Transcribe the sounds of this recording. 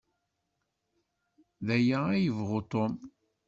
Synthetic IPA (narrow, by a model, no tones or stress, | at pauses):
ðæjaæjəvʁot̪om